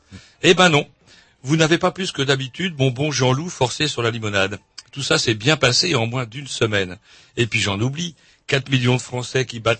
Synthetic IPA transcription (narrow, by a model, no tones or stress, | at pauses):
ebɛ̃nɔ̃ | vunavepaplyskəd̪abit̪yd̪mɔ̃bɔ̃ʒɑ̃lufɔʁsesyʁlalimɔnad̪ | t̪usasɛbjɛ̃paseɑ̃mwɛ̃d̪ynsəmɛn | epɥiʒɑ̃nubli | kat̪miljɔ̃d̪əfχɑ̃sɛkʲibat̪